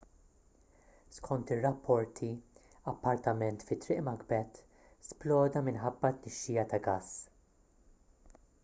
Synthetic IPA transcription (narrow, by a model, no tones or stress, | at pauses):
skʰɔnt̪ɪrːɐpːɔɾt̪ʰi | ɐpːɐɾt̪ɐmɛnt̪fɪt̪ːɾɪʔmɐɡbɛt̪ | splɔːd̪ɐmɪnħɐbːɐt̪nɛʃːɪːjɐt̪ɐɡɐs